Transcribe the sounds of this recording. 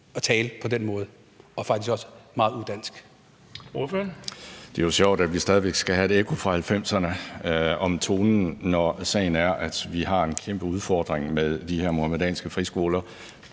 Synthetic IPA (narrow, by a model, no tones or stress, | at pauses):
ɒ̽t͡sʰɛːləpʰɒ̽d̥enmɔ̽ːð̞̩ˠ | ɒ̽fɑ̈ɡ̥d̥ʰisɡ̥ɒ̽sə̥mɑ̈ːð̩ˠud̥æn̰sɡ̥ | oføɐnd̥e̝joɕjɒʊ̰d̥æd̥ʋisd̥ɛːð̞ˠʋeɡ̥sɡ̥æɦæe̝ɾekʰo̝fʁɑ̈hælfem̰sɐnə | ɒ̽mt͡sʰo̝ːnn̩nɒsɛ̰ɪn̩æɐʔæd̥ʋiɦɑ̈e̝nkʰemb̥əuð̞ˠfɒːd̥ʁeŋmeðˠd̥ihe̝ɐ̰mo̝ɑmed̥ɛ̰ːnsɡ̥əfʁisɡ̥o̝ːlɐ